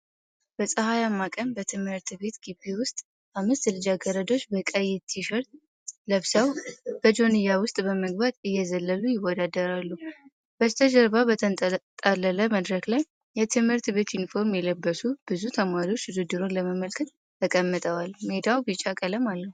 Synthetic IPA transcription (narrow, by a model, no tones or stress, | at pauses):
b̥əsʼəhajamːakʼəmbət̪ʰɨmhɨɾt̪be̞t̪ɡibewʊst̪ʼ | amːɨst̪lɨd͡ʒaɡəɾəd̪o̞t͡ʃːbəkʼəjːɛt̪ʰːiʃəɾt̪̚ | ləβsəwb̥əd͡ʒo̞nɨjawʊst̪ʼbəməɡ̚bat̪ɨjːɛzəlːəlujɪwːɔd̪ad̪əɾalːu | b̥əst̪ʰəd͡ʒəɾbabət̪ʰət̪ʼalːələməd̪ɾəklajː | ɛt̪ʰɨmhɨɾt̪be̞t̪jɪnfo̞ɾmjɛləbːəsub̥ɨzut̪ʰəmaɾio̞t͡ʃːɨd̪ɨd̪ːɨɾonləməməlkʰət̪ːʰ | əkʼəmːɨt̪ʼəwalmed̪awbɨt͡ʃʼːakʼələmalːəhu